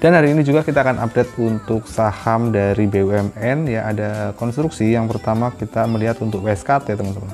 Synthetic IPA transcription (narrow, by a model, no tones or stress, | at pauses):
d̥anhaɾiːnid͡ʒuɡakit̪aːkanʔa̰p̚dɛt̪̚unt̪ʊk̚sahamdaɾibeuɛmɛnjaʔadakɔnst̪ɾuksijaŋpəɾt̪amakit̪aməliɦat̪unt̪ʊk̚wɛskat̪et̪əmənt̪əmə